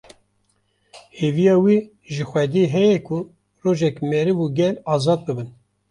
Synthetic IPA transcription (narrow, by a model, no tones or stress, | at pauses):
heːvijɑːwi | ʒɨxʷɛd̪iɦɛjɛkʰʊ | roːʒɛkmɛɾɨvuɡɛlɑːzɑːd̪̚bɨbɨn